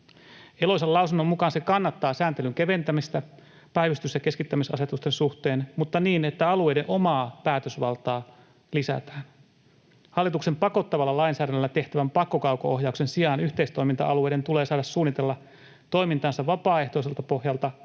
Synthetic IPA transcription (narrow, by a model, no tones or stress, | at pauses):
e̞lo̞jselɑusunːomːukɑːnsekɑnːɑt̪ːɑːsæːnt̪e̞lyŋk̟eʋe̞nt̪æmist̪æ | pæjʋyst̪ysjɑke̞skit̪ːæmisɑ̰se̞t̪ust̪e̞nsuht̪e̞ːnmut̪ːɑniːne̞t̪ːæɑlue̞jdenʔo̞mɑːpæːt̪øsʋɑlt̪ɑː | lisæ̰t̪æ̥ːn | hɑlːit̪ukse̞mpɑko̞t̪ːɑʋɑlːɑlɑjnsæːdænːølːæt̪e̞ht̪æʋæmpɑkːokɑukooɦjɑuksensiɑːnyht̪eist̪o̞imint̪ɑ̰ʔɑluejɾe̞nt̪ule̞ːsɑːdɑssuːnːit̪elːɑ | t̪o̞imint̪ɑːnsɑʋʋːɑpɑːe̞ht̪o̞ise̞lt̪ɑpo̞hjɑlt̪ɑ